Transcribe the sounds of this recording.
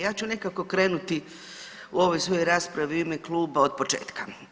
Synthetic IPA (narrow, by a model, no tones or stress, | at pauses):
jaːt͡ʃune̞kako̞kɾe̞ːnut̪i | uo̞ʋo̞jsʋo̞joɾaːspɾaʋiimeklˠuːbao̞d̪̚po̞t͡ʃḛːt̪ka